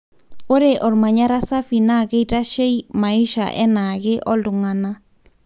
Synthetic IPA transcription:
o˦ɾe˨ʔɔ˨ɾma˨ɲa˦ɾa˦sa˦fi˨na˦˨ɣe˦i˨ta˦ʃe˦i˦ma˨ɪ˦ʃa̰˨ʔɛ̰˦na˨ɣɪ˦ʔɔ˦ldʊ˨ŋa˨na˦

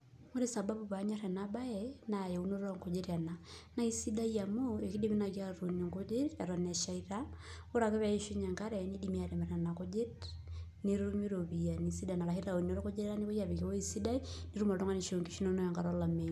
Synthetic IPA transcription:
mo˦ɾi˦sa˨ba˦bu˨βa˨˦ɲa˦ɾɛ˨naba˦jɛna˨jɛ˨u˦no˦ɾa˦ŋko˨d͡ʒe˦ɾa˨na˨na˦i˦si˦da˦i˦ja˨mo˦e˨ki˦di˦mi˦na˨ki˦aɾo˨ni˨ŋko˦d͡ʒɪ˦ta˨ɾɔ˨nɛ˨ʃa˨iɾa | o˦ɾa˨ke˦βa˨i˦ʃu˦ɲa˨ŋka˦ɾɛni˦dimi˦a˨ɾe˨mɛ˨ɾa˨na˨ko˦d͡ʒe˦tni˦ɾu˦mi˦ɾoβi˨ja˨nisi˦da˨na˨la˨hi˦ɾa˨o˨no˦ɾe˦ko˦d͡ʒe˦ɾɾa˦ni˦βo˦ja˨βi˨ke˦o˦i˦si˦da˦ini˦ɾu˦ma˨ɾto˦ŋa˦ni˨ʃo˨ŋɡi˦ʃi˦no˦no˦ja˨ŋɡa˨ɾɔ˦la˨me

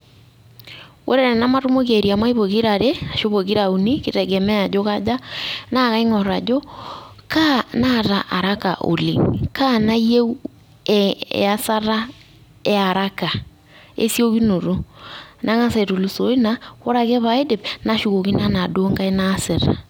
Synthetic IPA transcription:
wʔo˦ɾe˦ɾɛ˨na˦ma˦ɾu˦mo˦ɣe˨ɾi˨a˨ma˦i˦βo˨ɣi˦ɾa˨ɾe˦a˨ʃo˦βo˨ɣi˦ɾa˨u˨ni˦ki˦ɾɛ˨ɡɛ˨mɛ˦a˨d͡ʒo˦ka˦d͡ʒa˦na˦˨ɣa˦i˦ŋɔ˨ɾa˨d͡ʒo˦ka˦na˦ɾa˨ʔa˨ɾa˦ka̰˨ʔo̰˨lḭ˨ŋka˦na˦i˦je˦u˦˨ | a˦sa˦ɾa˦ | e˦a˨ɾa˦ka˨ | ḛ˦sjo˦ɣi˦no˨ɾo˦nʔa˦ŋa˦se˨ɾo˨lu˨so˨˦i˦na˦o˦ɾa˨ɣɛ˦βa˨e˦de˨pna˦ʃu˨ɣo˨ki˦na˦na˨doː˦ŋɡa˦e˦na˦se˨ɾa̰˨

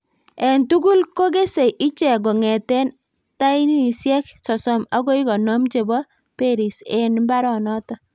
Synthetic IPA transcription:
ɛ˨ntu˦ɡu˦lko˦ɡe˦se˨jʔi˦t͡ʃɛ˨ɡɔ˨ŋɛ˨tɛ˦n | ta˦i˦ni˦˨sjɛ˦ksɔ˨sɔ˨ma˦ɡɔ˦i˦kɔ˨nɔ˦mt͡ʃe˨bɔ˦ | pe˦˨ɾi˨se˦nmba˦ɾɔ˨nɔ˦tɔ˦

